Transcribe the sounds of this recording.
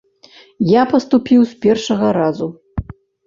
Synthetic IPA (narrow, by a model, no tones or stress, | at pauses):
japɐst̪upʲiwspʲɛrʂɐɣɐɾazu